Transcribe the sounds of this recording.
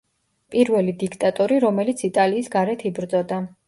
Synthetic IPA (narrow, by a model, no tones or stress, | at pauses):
pʼiɾvɛlid̪ikʰt̪ʼat̪ʼɔɾiɾɔmɛlit̪sʰit̪ʼaliːsɡaɾɛt̪ʰibɾd̪zʼɔd̪a